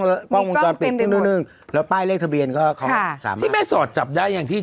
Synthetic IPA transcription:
ŋlːpɔː˥˧ŋwo˧kɔ˧npi˨˩˧ŋnɯ˧˥˩nɯ˧˩ŋ | lɛː˦˥wpaː˥˩jleː˥˩k̚t̪ʰa˧bi˧ənkɔː˥˩kʰɔ˨˧˩sa̰ː˩˦mʰiː˥˩mɛː˥˩sɔː˨˩t̪̚t͡ɕa˨˩p̚daː˥˩jːaː˨˩ŋt̪ʰiː˥˩

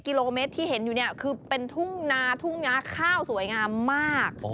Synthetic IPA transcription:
ki˧loː˧me˦˥t̪ʰːiː˥˩ɦe˩˦njuː˨˩ni˥˩ɐkʰɯː˧pe˧nt̪ʰu˥˩ŋnaː˦˥t̪ʰu˥˩ŋnaː˦˥kʰaː˥˩wsu˨˩˦əjŋaː˧mːaː˥˩k̚

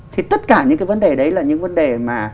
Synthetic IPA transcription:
t̪ʰi˨˩t̪ə˦˥t̚kaː˧˩ɲɨ̰˧˥kaː˨˦və˨˦nɗe˨˩ɗə˨˦jlaː˨˩ɲɨ̰˧˥ŋvə˨˦nɗe˨˩maː˨˩

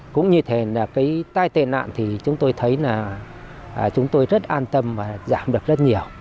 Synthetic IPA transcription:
kʊ̰˧˥ŋ͡mɲɨ˧t̪ʰe˨˩laː˨˩kaː˨˦jt̪aː˧jt̪ḛ˧˨na̰ː˧˨nt̪ʰi˨˩t͡ɕʊ˨˦ŋ͡mt̪o˧jt̪ʰə˨˦jlaː˨˩ | ʔːt͡ɕʊ˨˦ŋ͡mt̪o˧jzə˦˥t̚ʔaː˧nt̪ə˧mvaː˨˩zaː˧˩mɗɨ˨˩ək̚zə˦˥t̚ɲi˨˩əw

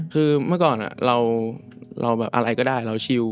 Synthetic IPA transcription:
kʰɯː˧mɯ˥˩kɔː˨˩nʔa̰˨˩ɾa˧w | ɾʔa˧wbɛː˨˩p̚ʔa̰˧ɾa˧jkɔː˥˩daː˥˩jɾa˧wt͡ɕʰi˧w

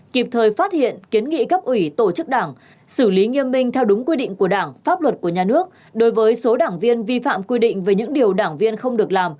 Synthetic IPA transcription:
ki˨˩p̚t̪ʰəː˨˩jfaː˦˥t̚hḭ˧˨ənki˨˦ənŋḭ˧˨ka˦˥p̚ʔwi˧˩t̪o˧˩t͡ɕɨ˦˥k̚ɗaː˧˩ŋ | sɨ˧˩li˨˦ŋi˧əmːï˧ŋ̟t̪ʰɛ˧wɗʊ˨˦ŋ͡mkwi˧ɗḭ̈˧˨ŋ̟ku˧˩əɗaː˧˩ŋfaː˦˥p̚lwə˨˩t̚ku˧˩əɲaː˨˩nɨ˦˥ək̚ | ɗo˨˦jvəː˨˦jso˨˦ɗaː˧˩ŋvi˧ənvi˧fa̰ː˧˨mkwi˧ɗḭ̈˧˨ŋ̟veː˨˩jɲɨ̰˧˥ŋɗi˨˩əwɗaː˧˩ŋvi˧ənxə˧wŋ͡mɗɨ˨˩ək̚laː˨˩m

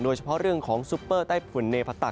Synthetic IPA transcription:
doː˧jt͡ɕʰa˧pʰɔ˦˥ʔɾɯ˥˩əŋkʰɔː˩˦ŋsuː˦˥pːɤː˥˩daː˥˩jpʰu˨˩˦nːeː˧pʰa˧t̪a˨˩

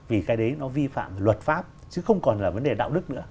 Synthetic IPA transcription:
vi˨˩kaː˨˦jɗə˨˦jnɔ˨˦vi˧fa̰ː˧˨mlwə˨˩t̚faː˦˥p̚ | t͡ɕɨ˨˦xə˧wŋ͡mkɔ˨˩nlaː˨˩və˨˦nɗe˨˩ɗa̰ː˧˨wɗɨ˦˥k̚nɨ̰˧˥ə

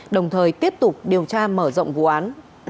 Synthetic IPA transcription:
ɗə˨˩wŋ͡mt̪ʰəː˨˩jt̪i˦˥əp̚t̪ʊ˨˩k͡p̚ɗi˨˩əwt͡ɕaː˧məː˧˩zə̰˧˨ŋ͡mvṵ˧˨ʔaː˨˦n

